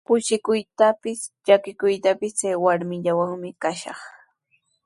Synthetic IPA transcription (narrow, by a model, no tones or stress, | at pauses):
pʊʃɪkʊjt̪apɪsʎakɪkʊjt̪apɪst͡sajwaɾmɪʎawaŋmɪkaʃɑ̰χ